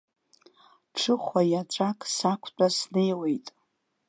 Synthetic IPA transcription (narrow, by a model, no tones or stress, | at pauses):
ʈ͡ʂʰɨχʷajaʈ͡ʂʷʼakʼsakʷʰt͡pʷʼasnejwe̞jtʼ